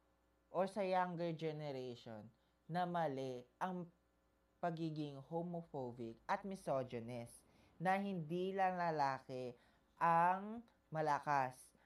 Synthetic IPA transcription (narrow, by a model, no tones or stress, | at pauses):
ʔosɐjaŋɡɛɹd͡ʒɛnɛɾejʃonː | ɐmɐlɛʔɐŋ | pɐɡiːɡɪŋhomofobɪk̚ɐt̪̚mɪsod͡ʒɛnɛs | nɐhɪnd̪iːlɐŋlɐlaːkɛ | ʔɐŋ | mɐlɐkas